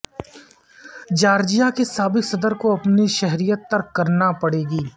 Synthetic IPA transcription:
d͡ʒaːɾd͡ʒijakesaːbɪksɐd̪əɾkoɐpniʃɛɦɾijət̪ːɐɾkkɐɾnapɐɽeːɡiː

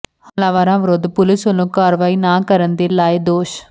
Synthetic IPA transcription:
halaːʋaːɾãːʋɪɾod̪pʊlɪsʋəlõːkaːɾʋaːiːnaːkəɾənd̪eːlaːed̪oːʃ

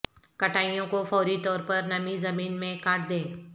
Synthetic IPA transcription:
kɐʈaːijõkofɔːɾit̪ɔːɾpəɾnɐmizɐmiːnmẽkaːʈd̪eː

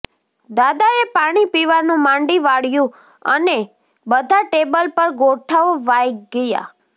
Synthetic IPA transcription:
d̪ad̪aepaɽ̃ipiʋanũmãɳɖiʋaɽjũ | ə̰ne | bəd̪ʱaʈebəlpəɾɡoʈʰaʋʋajɡəja̰

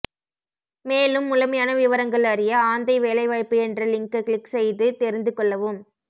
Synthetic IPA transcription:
meːlɯmːʊlɐmɐjaːnɐʋɪʋɐɾɐŋɡɐɭɐɾɪjɐaːnd̪ɐɪʋeːlɐɪʋaːjpːɯɛndrɐlɪŋkɐkɭɪksɛjðɯt̪ɛɾɪnd̪ɯkːɔɭːɐʋɯm

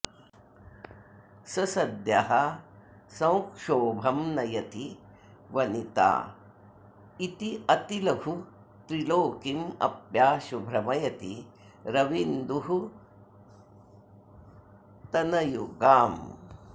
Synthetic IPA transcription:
sɐsɐd̪jɐɦɐ | sɐ̃wkʂoːbʱɐmnɐjɐt̪i | ʋɐnit̪a̰ː | it̪iɐt̪ilɐɡʱu | t̪ɾiloːkimɐ̰pjaːʃubʱɾɐmɐjɐt̪i | ɾɐʋind̪uɦu | t̪ɐnɐjuɡaːm

